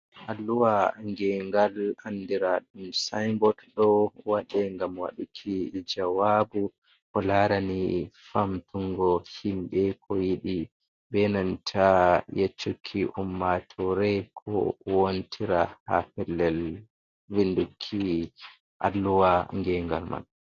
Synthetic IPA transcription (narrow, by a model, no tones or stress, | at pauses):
ʔalːuwaŋɡɛŋɡalandiɾaɗumsajŋɡɔtɗɔwaɗɛŋɡamwa̰ɗukʰid͡ʒawabu | kɔlaɾanifamt̪uŋɡɔhimbɛkʰɔjiɗi | bɛnantʰajet͡ʃːukʰːiʔumːatʰɔɾɛkʰɔ̰wontʰiɾahapɛlːɛl | vindukʰːi | ʔa̰lːuwaŋɡɛŋɡalma̰n